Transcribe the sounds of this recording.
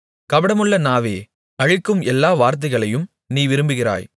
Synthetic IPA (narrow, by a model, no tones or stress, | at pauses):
kɐʋɐɽɐmɯɭːɐnaːʋḛː | ɐɻɪkːɯmɛlːaːʋaːɾt̪̬ɐɪɣɐɭɐjɯm | niːʋɪɾɯmbɯɣɪra̰ːj